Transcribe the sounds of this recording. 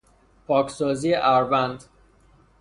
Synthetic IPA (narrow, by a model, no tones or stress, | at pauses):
pʰɒːcʰsɒːziːeʔæɾbænd̪